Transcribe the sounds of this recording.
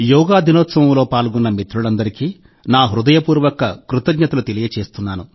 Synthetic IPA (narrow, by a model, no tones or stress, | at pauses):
jɔːɡaːd̪ʱinɔːt̪sɐʋɐmlo̞ːpaːlɡɔnːɐmit̪ɾuɭɐnd̪ɐɾikiː | naːɦɾud̪ɐjɐpuːɾʋɐkɐkɾut̪ɐɡɲɐt̪ɐlut̪elijɐt͡ʃe̞ːst̪unːaːnu